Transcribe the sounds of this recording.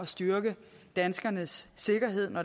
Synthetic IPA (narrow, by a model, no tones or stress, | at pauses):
ɒ̽sd̥yɐɡ̥əd̥ænsɡ̥ɐnəsːe̝ɡ̥ɐɦe̝ð̞̰ˠnɒ